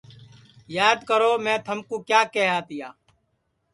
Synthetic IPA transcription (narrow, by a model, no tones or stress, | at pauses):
jaːd̪kəɾoːmɛ̃ːt̪ʰəmkuːkjaːkɛɦaːt̪ɪjaː